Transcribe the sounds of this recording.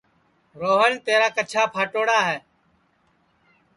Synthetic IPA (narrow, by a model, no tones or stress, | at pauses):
ɾoːɦənt̪eːɾaːkət͡ʃʰaːpʰaːʈoːɽaːɦɛː